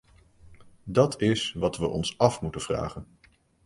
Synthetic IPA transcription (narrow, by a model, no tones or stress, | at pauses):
dɑtʰɪsʋɑtʋəʔɔ̰nsɑfmutənv̥ra̰ːχən